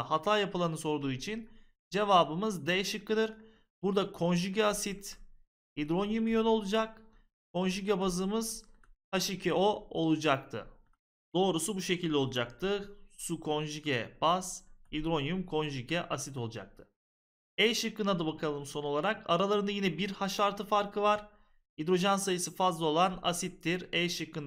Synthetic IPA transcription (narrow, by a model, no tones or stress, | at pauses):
hat̪ʰaːjapɯlˠanɯso̞ɾd̪uːit͡ʃʰin | d͡ʒe̞vaːbɯmɯzd̪ɛʃɯkːɯd̪ɯɾ | b̥uɾd̪akʰo̞nʒyɟɛasit̪ | id̪ɾo̞njumijøno̞lˠud͡ʒak̚ | kʰonʒyɟɛbazɯːmɯz̥haʃicʰɛoo̞lˠud͡ʒak̚t̪ʰɯ̰ | d̪̥o̞ːɾusubuʃe̞cʰilʲd̪ʲɛo̞lˠud͡ʒak̚t̪ʰɯsukʰo̞nʒiɟɛb̥az̥id̪ɾo̞njumkʰo̞nʒicɛʔasit̪ʰo̞lˠud͡ʒa̰k̚t̪ʰɯ̥ | ɛjʃɯkːɯnad̪abakʰalˠɯmso̞no̞lˠaɾaka̰ɾalˠaɾɯnajinɛbiɾhaʃaɾt̪ʰɯfaɾkʰɯvaɾ̥ | id̪ɾo̞ʒansajɯsɯfazlˠao̞lˠana̰sit̪ːiɾɛjʃɯkːɯn